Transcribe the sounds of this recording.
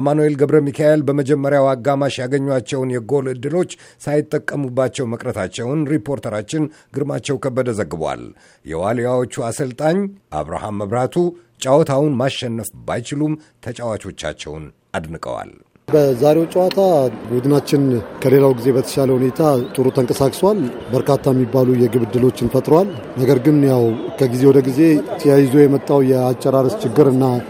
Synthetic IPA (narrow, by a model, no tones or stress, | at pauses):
manue̞lɡəβɾəmikʰaelbəməd͡ʒɛmːəɾjawaɡamaʃjaɡəɲːwat͡ʃːɛwnjɛɡo̞lɨd̪ːɨlo̞t͡ʃːsajɪt̪ʼːəkʼːəmubːat͡ʃːɛwməkʼɾət̪ʰat͡ʃːɛwnɾipʰo̞ɾt̪ʰəɾat͡ʃːɪn | ɡɨɾmat͡ʃːɛwkʰəbːəd̪əzəɡːɨbwa̰l | jɛ̰walijawo̞t͡ʃːuasəlt̪ʼaɲʔa̰βɾa̰hamːəβɾat̪ʰu | t͡ʃʼawɔt̪ʰawnmaʃːɛnːəfbajt͡ʃɪlum | t̪ʰət͡ʃʼawat͡ʃo̞t͡ʃːa̰t͡ʃːɛ̰wn | ʔad̪nɨkʼə̰wa̰l | bəzaɾe̞wt͡ʃʼəwat̪ʰabud̪ɨnat͡ʃːɪnkʰəle̞lawɡize̞bət̪ʰə̥ʃaləhune̞t̪ʰat̪ʼɨɾut̪ʰəŋkʼəsakʼswal | bəɾkʰat̪ʰːajɛmːibːalujɛɡɨβɨd̪ːɨlo̞t͡ʃːɪnfət̪ʼɾowal | nəɡəɾɡɨnjawkʰəɡizewɔd̪əɡize̞t̪ʰəjajɪzo̞jɛmət̪ʼːawjɛat͡ʃʼːɛɾaɾəst͡ʃɪɡːɨɾɨnːa